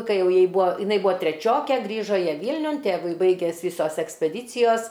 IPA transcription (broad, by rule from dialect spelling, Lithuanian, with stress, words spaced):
kɐɪ ˈjɛʊ ˈjɛɪ ˈbuːɐ jɪˈnɐɪ ˈbuːɐ tʲrʲɛˈt͡ʃʲoːkʲeː ˈɡrʲiːʒoː ˈjiɛ ˈʋʲiːlʲnʲʊn ˈtʲeːʋʊɪ ˈbɐɪɡʲɛs ˈʋʲiːsoːs ɛksʲpʲɛˈdʲiːt͡sʲɪjoːs